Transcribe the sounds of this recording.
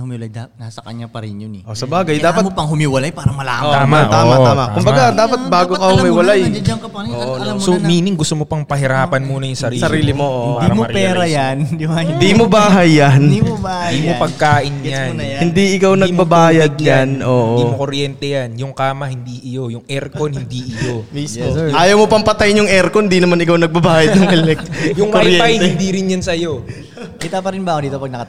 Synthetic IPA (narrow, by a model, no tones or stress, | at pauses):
hʊmiwlajd̪nasɐkɐɲapɐɾɪnjonʔosɐbaːɡɐjdd̪aːpɐt̪̚pɐŋhʊmiwɐlajpaːɾɐmɐla̰ːt̪aːmaʔoːmaaːmɐkʊmbɐɡad̪aːpɐt̪̚baːɡokɐhʊmiːwɐlajɐosomiːnɪŋɡʊst̪omopɐŋpɐɦɪɾaːpɐnmuːnɐjʊŋsɐɾiːsɐɾiːlɪmoond̪imopɛːɾɐjand̪ɪbaɪnd̪iːmobaːɦɐjːand̪imobad̪imopɐɡ̚kaːʔɪnjanjhɪnd̪iʔɪkawnɐɡ̚bɐbaːjɐd̪̚ɲanʔoːʔ̪oimokoɾjɛnt̪ɛjanjʊŋkaːmɐhɪnd̪iʔɪjojʊŋʔɛɾkonhɪnd̪iʔɪjomisoʔaːjɐwmopɐŋpɐt̪ajnjʊŋʔɛɾkoɪnd̪inɐmanɪkawnɐɡ̚bɐbaːjɐd̪nɐŋɛlɛk̚jʊŋkoɾjɛanj̪ɪnd̪iɾɪnjansɐjo | kɪt̪apɐɾɪnbad̪iːt̪opɐɡ̚nɐkɐ